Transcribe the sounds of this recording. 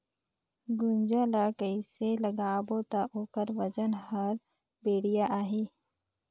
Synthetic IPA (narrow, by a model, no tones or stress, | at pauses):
ɡʊnd͡ʒalakəiseləɡaːbot̪aʔoːkəɾʋəd͡ʒənɦəɾ | beːɽijaʔaːɦi